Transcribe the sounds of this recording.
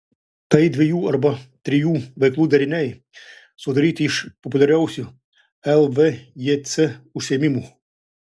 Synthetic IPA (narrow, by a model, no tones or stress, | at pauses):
t̪ɐid̪ʋʲejuɐlʲbɐt̪ɾʲijuʋɐklˠud̪ɐɾʲɪnʲɛj | sɔd̪ɐɾʲit̪iʃpɔpʊlʲɐɾʲawsʲʊ | ɛlˠʋɛjɛt͡s̪ɛusʲɛmʲimu